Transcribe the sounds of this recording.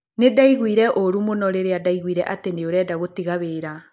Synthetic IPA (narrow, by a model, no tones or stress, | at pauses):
nedaiɣwiɾɛʔoɾumonɔɾeɾeadaiɣwiɾɛʔateneoɾɛːdaɣotiɣaβeːɾa